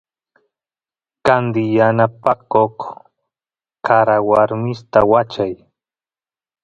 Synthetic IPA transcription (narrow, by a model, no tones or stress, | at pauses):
kand̪ɪjanapakoχ | kaɾawaɾmɪst̪awat͡ʃaj